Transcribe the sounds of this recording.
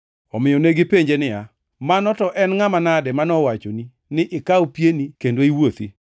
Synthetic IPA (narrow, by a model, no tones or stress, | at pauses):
ɔmɪjɔneɡɪpeɲd͡ʒenɪja | manɔtɔʔɛnŋamanadɛmanɔwat͡ʃoni | nɪʔɪkawupjenikendoiwot̪i